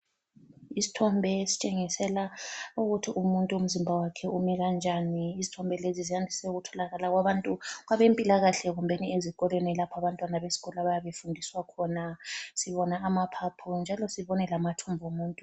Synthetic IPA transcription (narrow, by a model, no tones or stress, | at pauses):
isi̥tʰɔmbʱɛsi̥t͡ʃʼeŋisɛlauɣutʰiʔumuntʼuum̩zimbʱawakʰɛʔumiɣand͡ʒʱaniːzitʰɔmbʱɛlezizijandʱisɛuɣutʰɔlaɣalaɣwaβantʼuɣaβempʼilaɣaɬɛɣumbʱeniezikʼɔlwenilapʰaβantʼwanaβesi̥ɣɔlaβajaβefundʱiswakʰɔnasiβɔnaːmapʰapʰund͡ʒʱalɔsiβɔnɛlamatʰumbʱumuːntʼu